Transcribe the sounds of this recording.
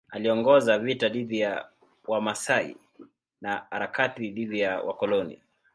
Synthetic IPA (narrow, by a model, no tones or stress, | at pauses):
aliɔŋɡɔzavitaɗiðia | wamasaḭ | naha̰ɾakatiɗivijawʔa̰kɔlɔnḭ